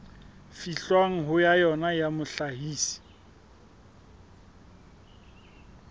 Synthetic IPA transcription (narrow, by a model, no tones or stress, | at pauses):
fiɬwaŋ̩ɦʊjajɔnajamʊɬahiːsi̥